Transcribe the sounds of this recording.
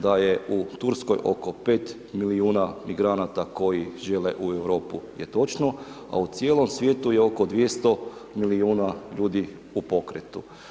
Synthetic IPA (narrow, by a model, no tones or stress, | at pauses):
d̪ajeut̪uɾsko̞jʔo̞̰ko̞pe̞ːt̪ | miliuːnamiɡɾanat̪ako̞jiʒe̞leʔueʋɾo̞ːpujet̪o̞t͡ʃno | a̰ut̪sjeːlo̞msʋʲje̞ːt̪uje̞o̞kod̪ʋjest̪o̞miliuːnaʎuːd̪i | upo̞kɾet̪u